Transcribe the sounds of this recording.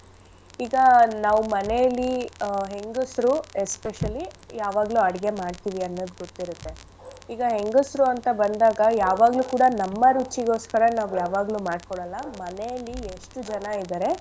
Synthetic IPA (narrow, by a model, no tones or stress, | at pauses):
iːɡɐnaːʋumɐnejɐlːiɦe̞ŋɡusɾuespeʃɐlijaːʋaːɡluːɐɽiɡe̞maːɖt̪iːʋiɐnːod̪ɡot̪ːiɾut̪ːe̞ | iːɡɐɦe̞ŋɡusɾuɐnt̪ɐbɐnd̪aːɡɐjaːʋaːɡluːkuːɽɐnɐmːɐɾut͡ʃːiɡo̞ːskɐɾɐnaːʋujaːʋaːɡluːmaːɖkɔɭɐlːɐmɐnejɐlːieʂʈud͡ʒɐnɐid̪aːɾe̞